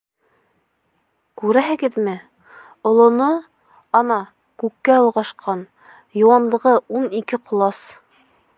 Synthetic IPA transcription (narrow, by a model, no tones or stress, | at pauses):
kʉɾæɦɘ̆ɡɘðmɘ | ŏlˠŏno | ɑnɑ | kʉkːæŏlˠʁɑʃqʰɑn | jŏwɑnlˠɤ̆ʁɤunikɘqŏlˠɑs